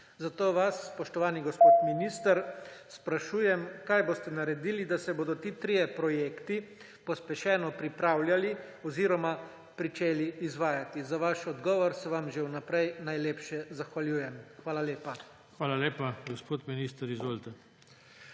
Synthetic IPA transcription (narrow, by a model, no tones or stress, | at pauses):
zat̪oːʋasːpɔʃt̪ɔʋaːniɡɔspoːt̪minist̪əɾspɾaʃuːjɛmkaːjboːst̪ɛnaɾɛd̪iːlid̪asɛboːd̪ɔt̪iːt̪ɾijɛpɾɔjeːkt̪i | pɔspɛʃɛːnɔpɾipɾaːwljali | ɔziːɾɔma | pɾit͡ʃeːliːzʋaːjat̪izaʋaʃɔd̪ɡɔːʋɔɾsɛʋamʒewnapɾɛjnajleːpʃɛzaxʋaljuːjɛmxʋaːlaleːpa | xʋaːlaleːpaɡospoːt̪minist̪əɾizʋolt̪a